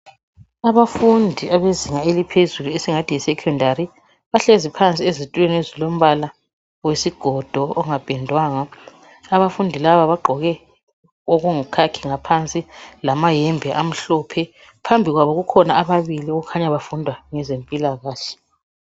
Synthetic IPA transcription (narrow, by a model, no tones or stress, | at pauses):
aβafundʱiaβeziŋaelipʰezuluesiŋatʰijɛsɛkʰɔndʱaɾi | βaɬezipʰant͡sʼiezitʼwɛnezilom̩βala | wesiɡ̥ʱɔd̥ʱɔɔŋapʼɛndʱwaːŋa | aβafundʱilaβaβaɡ͡ǃʱɔɣɛ | oɣuŋukʰakʰiŋapʰant͡sʼilamajɛmbʱɛʔam̩ɬɔːpʰɛ | pʰambʱiɣwaβɔɣukʰɔnaaβaβilioɣukʰaɲaβafundʱwaŋɛzempʼilaɣaːɬɛ̥